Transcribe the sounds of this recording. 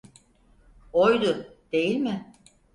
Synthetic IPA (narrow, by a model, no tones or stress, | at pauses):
ojd̪ʊd̪̥e̞jilʲmɪ